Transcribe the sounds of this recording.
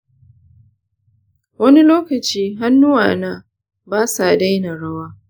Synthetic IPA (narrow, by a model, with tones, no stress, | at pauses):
wɐ˦ni˦loː˦kɐ˨t͡ʃiː˦ɦa˦nːʊ˦wa̰ː˨na˦ | baː˦sa˨da˦jna˨ɽɐ˦waː˦